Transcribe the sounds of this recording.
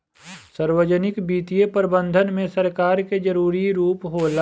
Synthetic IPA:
səɾwəd͡ʒənɪkbiːt̪ijepəɾbə̃nd̪ʱənmẽsɐɾkaːɾked͡ʒəɾuːɾiɾuːpɦoːl

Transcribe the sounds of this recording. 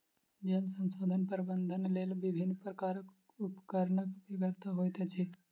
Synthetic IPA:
d͡ʒəlsə̃nsoːd̪ʱənpəɾbə̃nd̪ʱənleːlʋɪbʱɪnːpɾəkaːɾək | ʊpkəɾɳəkbʱibəɾt̪aɦojt̪et͡ʃʰi

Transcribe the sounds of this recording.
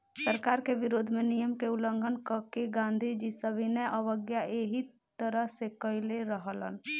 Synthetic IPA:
səɾkaɾkeʋiɾod̪ʱmenijəmkeuləŋɡʱənkəkeɡãnd̪ʱid͡ʒisəbʱinəjʔəʋəɡjaʔeɦi | t̪əɾəɦsekəileɾəɦələ̰n

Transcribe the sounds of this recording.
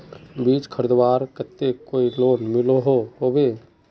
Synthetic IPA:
biːt͡ʃkʰəɾəd̪waːɾkət̪ːekoːiloːnmɪloɦoɦobe

